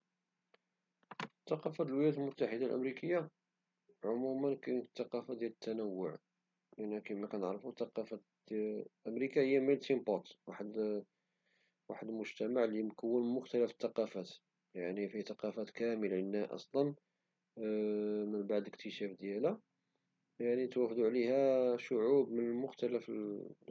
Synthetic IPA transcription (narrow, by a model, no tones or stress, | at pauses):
t̪ːɑqɑfæt̪əlwəljæt̪əlmʊt̪ːaħəd̪alʔə̰mɾikəjːa | ʕʊmumənkænt̪ːɑqɑfad̪jæd̪ət̪ːænəwːʊʕ | ʔənːækəmækænəʕɾfut̪ɑqɑfæ | lʔəmɾikahəjːæməlt̪imbɑt̪waħəd̪ | waħəd̪əlmʊʒt̪æmaʕlimkəwːənmʊxt̪æləfə̥t̪ːɑqɑfæt̪ | jaʕnifit̪ɑqɑfæt̪kæməlʕənːæʔɑ̰sˤlɑn | mənbaʕd̪əkt̪ʰəʃæfd̪jælæ | jaʕnit̪wæfd̪uʕlihæʃʊʕubmənəlmʊxt̪ælæfə